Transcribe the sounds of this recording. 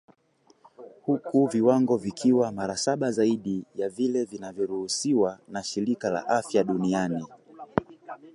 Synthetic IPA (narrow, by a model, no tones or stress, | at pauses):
hukuviwaŋɡɔvikʰiwamaɾasaɓazaiɗijavilɛvinavjɔɾuhusiwanaʃiɾikala̰ʔafjaɗuniani